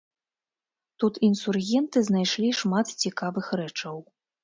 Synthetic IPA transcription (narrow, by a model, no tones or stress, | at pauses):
t̪ut̪insurɣʲɛnt̪ɨznajʂlʲiʂmat̪t͡sʲikavɨxɾɛt͡ʂɐw